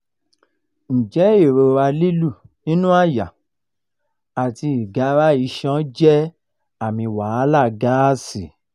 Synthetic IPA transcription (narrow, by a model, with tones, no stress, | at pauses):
n̩˨d͡ʒɛ˨˦i˦˨ɾo˧ɾa˧li˦lu˦˨nĩ˦nũ˦a˦˨ja˨ | a˨ti˧i˨ɡa˨˦ɾa˦i˧˦ʃɔ̃˦d͡ʒɛ˦ | a˦˨mĩ˧wa˨˦la˦˨ɡa˦si˨